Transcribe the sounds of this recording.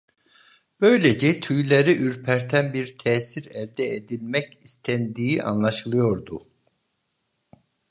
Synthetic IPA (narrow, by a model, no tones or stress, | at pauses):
b̥ø̞jlʲed͡ʒɛt̪ʰyjlʲeɾiʔyɾpʰæɾt̪ʰænbiɾt̪ʰɛːsiɾɛld̪ɛed̪ilʲmɛcist̪ʰænd̪iːiʔa̰nlˠaʃɯlˠɯjo̞ɾd̪u